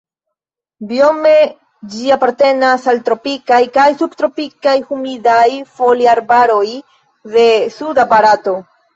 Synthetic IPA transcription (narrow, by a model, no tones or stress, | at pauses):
bio̞me̞ | d͡ʒiapaɾte̞nasalt̪ɾo̞pikajkajsubtɾo̞pikajhumidajfo̞liaɾbaɾo̞j | ðe̞sudabaɾato̞